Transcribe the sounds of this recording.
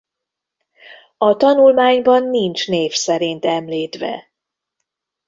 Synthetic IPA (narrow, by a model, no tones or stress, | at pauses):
ɒt̪ɒnulmaːɲbɒnːint͡ʃneːfsɛɾint̪ɛmliːt̪ʋɛ̰